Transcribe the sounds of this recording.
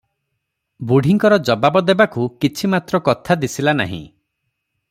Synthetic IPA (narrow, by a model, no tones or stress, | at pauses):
buɽ̤ʱiŋkɔɾɔd͡ʒɔbabɔd̪ebakukit͡ʃʰimat̪ɾɔkɔt̪ʰad̪isilana̰ɦḭ̃